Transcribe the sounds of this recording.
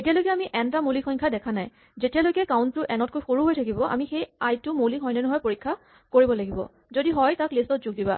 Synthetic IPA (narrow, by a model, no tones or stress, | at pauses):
etijalojkɛamiʔɛntamolikxɔjŋkʰadɛkʰanaj | zetijalojkɛkaʊnttʊʔɛnɔtkojxoɹuɦojtʰakibɔʔa̰mixejajtʊmolikʰxɔjnɛnɔɦɔjpoɹikʰːa | koɹibɔlaɡibɔ̰ | zodiɦɔjtaklistɔtzuɡ̚diba̰